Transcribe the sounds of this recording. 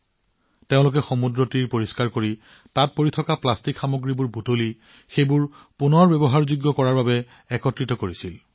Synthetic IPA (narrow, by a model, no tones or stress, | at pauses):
teʊ̃lʊk̬ɛxomudɹɔtiɹpoɹiskaɹkoɹi | tat̚poɹitʰɔkaplastikxamoɡɹibuɹbutoli | xejbʊɹ | punɔɹbɛbɔɦaɹzuɡːɔkɔɹaɹbabɛ | ɛkɔtɹitɔkoɹisil